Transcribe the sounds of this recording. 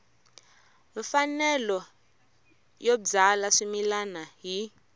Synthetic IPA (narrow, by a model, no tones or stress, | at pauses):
fanɛlɔ | jod͡zalaʂimilanaɦi